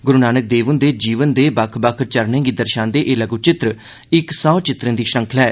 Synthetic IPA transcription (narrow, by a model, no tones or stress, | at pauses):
ɡʊɾunaːnək̚d̪eːʋənd̪eːd͡ʒiːʋənd̪eːbəkʰbəkʰt͡ʃəɾnẽːɡiːd̪əɾʃãːnd̪eːʔeːləɡuːt͡ʃɪt̪ɾə | ɪksaːt͡ʃɪt̪ɾə̃nd̪iːʃɾə̃ŋkʰəlɛː